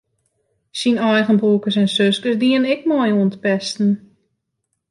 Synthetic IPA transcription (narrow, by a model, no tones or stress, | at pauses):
sinɔjɣənbuːkəsɛnsøskəsdiənɛkmɔjuəntəpɛstn̩